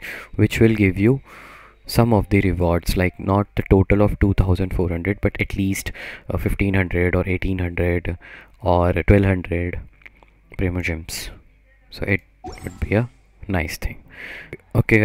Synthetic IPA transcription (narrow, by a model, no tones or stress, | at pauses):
ʋɪt͡ʃʋɪlɡɪʋjuː | sʌ̃mɔʋd̪iɾɪʋɔːɾɖslaɪknɔːʈ̚d̪əʈoːʈəlɔʋʈuːt̪ʰaʊzə̃ɳɖfoːɾɦʌ̃ɳɖɾəɖ̚bɐʈɛʈliːsʈfɪfʈĩːnɦʌ̃ɳɖɾəɖɔːɾeːʈĩːnɦʌ̃ɳɖɾəɖɔːɾʈwɛlʋɦʌ̃ɳɖɾeɖ | pɾẽːmod͡ʒɪ̃ms | so̰ːʔɪʈ̚wʊɖ̚biːə | naɪst̪ʰɪ̃ŋ | oːke